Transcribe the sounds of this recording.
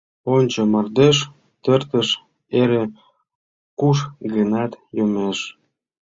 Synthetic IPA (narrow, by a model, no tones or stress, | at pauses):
onʲt͡ɕə̆mɑrd̪eʃ | t̪ərt̪əʃ | eɾe | kuʃɣənɑt̪jomeʃ